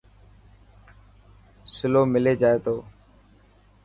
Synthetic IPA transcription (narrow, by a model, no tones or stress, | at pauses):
sɪloːmɪleːd͡ʒaːeːt̪oː